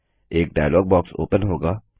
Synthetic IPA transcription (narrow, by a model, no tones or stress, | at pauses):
eːk̚ɖaːjlɔːɡ̚bɔːkso̰ːpənɦoːɡaː